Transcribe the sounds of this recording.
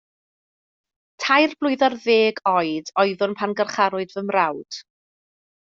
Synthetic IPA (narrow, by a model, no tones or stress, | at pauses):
tʰajrb̥lˠʊjðarðeːɡɔjdɔjðʊnpʰanɡərχaɾʊɨdvəmrawd̥